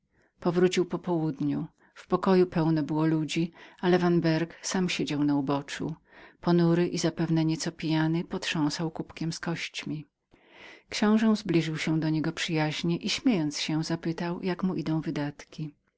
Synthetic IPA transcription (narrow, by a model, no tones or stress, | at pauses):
pɔvɾut͡ɕiwpɔpɔwud̪ɲu | fpɔkɔjupɛwnɛbɘwɔlud͡ʑialɛvanbɛɾksamɕed͡ʑawnaubɔt͡ʂṵ | pɔnuɾɘʔizapɛvnɛɲɛt̪sɔpʲijanɘpɔt̪ʂɔ̃w̃sawkupkʲɛmskɔɕt͡ɕmʲi | kɕɔ̃w̃ʐɛ̃zblʲiʐɘwɕɛd̪ɔɲɛɡɔpʂɘjaʑɲɛʔiɕmʲjejɔnt̪sɕɛ̃zapɘt̪awjakmuʔid̪ɔ̃w̃vɘd̪at̪kʲi